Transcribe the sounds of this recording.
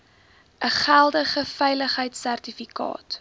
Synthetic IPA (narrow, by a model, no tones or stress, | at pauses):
ʔəχælˠdəχəfɛjləχɦəjtsærtifikɑ̰ːt